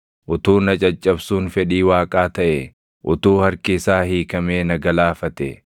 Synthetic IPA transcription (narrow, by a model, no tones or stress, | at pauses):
ʔʊt̪uːnɐt͡ʃʼɐt͡ʃʼːɐbsuːnfɛᶑiːwaːkʼaːt̪ɐʔɛ | ʔʊt̪uːhɐɾkɪsaːhiːkɐmeːnɐɡɐlaːfɐt̪ɛ